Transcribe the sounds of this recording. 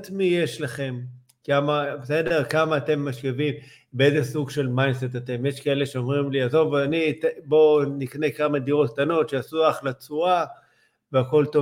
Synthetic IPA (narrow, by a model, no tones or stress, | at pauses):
t̪mije̞ʃlaχe̞m | kamabese̞de̞ʁkamaːte̞mːaʃkevim | beezesuɡʃe̞lmajnset̪ate̞mje̞ʃkae̞le̞ʃeomʁimliazo̞vanitbo̞nikne̞kamadiʁo̞t̚k̚t̪ano̞tʃeasuaχlat͡sua | veako̞lto